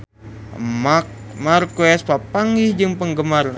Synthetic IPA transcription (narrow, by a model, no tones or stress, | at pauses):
mmarkɛspapaŋihd͡ʒɨŋpəŋɡəmar